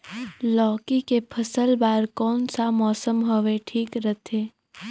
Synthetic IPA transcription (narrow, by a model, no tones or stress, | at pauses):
lɔːkikepʰəsəlbaːɾkɔːnsamɔːsəmɦoʋeʈʰiːkɾət̪ʰeː